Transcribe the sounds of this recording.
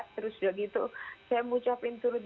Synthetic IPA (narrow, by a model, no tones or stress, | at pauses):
ʔt̪əɾʊsdaɡit̪usajamut͡ʃapɪnt̪uɾʊt̪̚